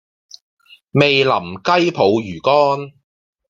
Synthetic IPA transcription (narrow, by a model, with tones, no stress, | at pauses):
me˨jlɐ˨˩mkɐ˥jpʰo˨˧wjyː˨˩kɔː˥n